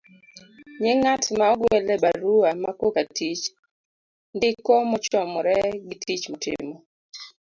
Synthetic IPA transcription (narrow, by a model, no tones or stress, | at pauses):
ɲɪŋatmaɔɡwɛlɛbaɾuamakokatit͡ʃ | ndɪkɔmɔt͡ʃɔmɔɾɛɡitʰit͡ʃmɔtɪ̰mɔ